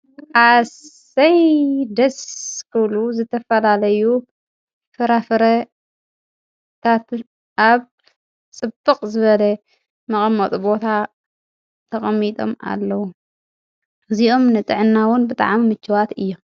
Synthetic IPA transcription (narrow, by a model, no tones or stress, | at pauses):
ʔas | ɐjd̪ɐskʰɨβluzɨt̪ʰɐfɐlalɐju | fɨɾafɨɾɐ | t̪ʰat̪ | ʔaβ | t͡sʼɨbɨqʼzɨβɐlɐ | mɐχʼɐmːɐt̪ʼubo̞t̪ʰa | t̪ʰɐχʼɐmːit̪ʼo̞̰ma̰lːɐwu | ɨziʔo̞mnɨt̪ʼɨʕɨnːawʊnbɨt̪ʼa̰ʕmimɨt͡ʃːɨwat̪ɨjːo̞m